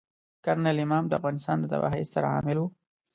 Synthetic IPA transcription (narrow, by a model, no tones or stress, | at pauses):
kaɾnalɪmɑmd̪əafɣɑnɪst̪ɑːnd̪ət̪a̰bɑ̰ɦizsaɾaɑ̰mɪlwu